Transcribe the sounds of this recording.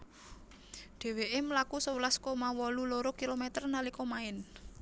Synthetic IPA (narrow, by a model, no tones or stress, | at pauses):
ɖ̪̥e̤weʔeməlakusəwəlaskomawɔluloɾokilomɛt̪ərnalikɔmaɪn